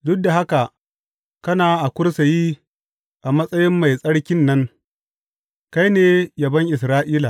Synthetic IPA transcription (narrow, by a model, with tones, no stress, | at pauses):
dʊ˦k̚da˨ɦa˦ka˨ | kɐ˦naː˨ʔa˨kʷʊ˦ɽsa˨ji˦ | ʔa˨mɐ˦sʼɐ˦jɪ˦mːa˨jsʼɐ˦ɽkʲɪ˦nːɐ˦ŋ | ka˦jneː˦jɐ˨bɐ˦ŋʔɪ˨s̬ɾaː˦ʔiː˦la˨